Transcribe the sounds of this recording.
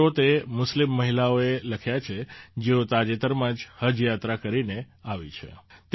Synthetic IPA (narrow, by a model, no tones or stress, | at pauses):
ot̪emʊslimːəɦilaoeləkʰjat͡ʃʰed͡ʒeot̪ad͡ʒet̪əɾmãd͡ʒhəd͡ʒjat̪ɾakəɾine | aʋḭt͡ʃʰḛt̪